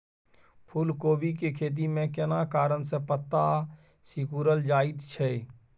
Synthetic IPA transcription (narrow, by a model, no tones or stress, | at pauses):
pʰʊlkoːbʱikekʰeːt̪̬imẽkɪnakaːɾənsepət̪ːa | sikuːɾəld͡ʒaːit̪t͡ʃʰɛ